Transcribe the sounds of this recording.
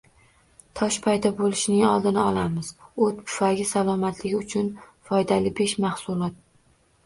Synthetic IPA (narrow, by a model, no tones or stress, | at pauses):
t̪ʰɒʃpʰajd̪ɒbolˠɪʃnɪŋɒlˠd̪ɪnɪɒlˠamɪzot̪pʰʊ̥faɡʲɪsalˠɒmat̪lɪɡʲɪʊt͡ʃʰʊnfɒjd̪alɪbeʃmahsulˠɒt̪̚